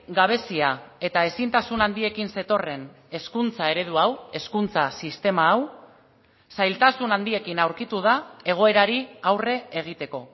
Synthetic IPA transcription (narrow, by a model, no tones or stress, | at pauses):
ɡaβ̞e̞siae̞t̪ae̞sint̪asunand̪ie̞kinse̞t̪o̞re̞n | e̞skunt͡sae̞ɾe̞ð̞uawe̞skunt͡sasist̪e̞maːw | sajlt̪asunand̪ie̞kinawɾkit̪uð̞ae̞ɣ̞o̞e̞ɾaɾiawre̞eɣ̞it̪e̞ko̞